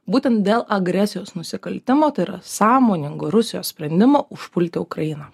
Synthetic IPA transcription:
buːt̪ʲɛnt̪̚d̪ʲeːlˠʔɐɡɾʲɛsʲɪjoːsnʊsʲɪkɐlʲt̪ʲɪmoːt̪ɐɪɾɐ̰sɑːmoːnʲɪŋɡoːɾʊsʲɪjoːssʲpʲɾʲɛnʲd̪ʲɪmoːʔʊʃpʊlʲt̪ʲɪʊkɾɐjɪnɐ

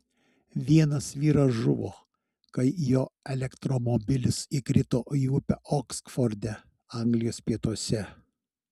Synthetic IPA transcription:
ʋʲiɛnɐsʋʲiːɾɐsʒʊʋoː | kɐɪjoːɛlʲɛkt̪ɾɔmɔbʲɪlʲɪsikɾʲɪt̪oːʔiʊpʲɛʔɔksfɔɾʲd̪ʲɛ | ɐˑŋɡlʲɪjoːspʲiɛt̪uɔsʲɛ

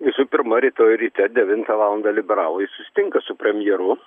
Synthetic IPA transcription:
ʋʲɪsʊpʲɪɾmɐɾʲɛːt̪oːjɾʲiːt̪ʲɛd̪ʲɛʋʲɪnt̪ɐʋɑːlˠɐnd̪ɐlʲɪbʲɛɾɑːlˠoːjɪsʊsʲɪ̥t̪ʲɪŋkɐsʊpʲɾʲɛmʲɪjɛɾʊ

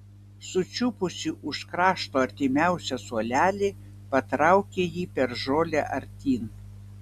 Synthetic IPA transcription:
sʊt͡ʃʲʊpʊsʲɪʔʊʃkɾɑːʃt̪oːɐɾʲt̪ʲɪmʲæˑʊsʲɛsuɔlʲæːlʲe | pɐt̪ɾɑˑʊkʲejiːpʲɛɾʒoːlʲɛʔɐɾʲt̪ʲiːn

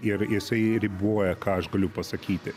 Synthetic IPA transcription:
ɪɾjɪsɐɪɾʲɪbuɔjɛkɑːɐʃɡɐlʲʊpɐsɐkʲiːt̪ʲɪ

